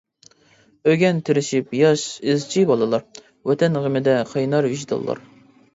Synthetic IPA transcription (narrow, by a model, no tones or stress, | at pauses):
øɡʲɛnt̪ʰɪɾɪʃipjɑʃɪzt͡ʃʰibɑlˠɨlˠɑɾ | wɛt̪ʰɛnʁəmɪd̪ɛqʰɑjnɑɾviʒt̪ʰɑ̰lˠːɑ̰ɾ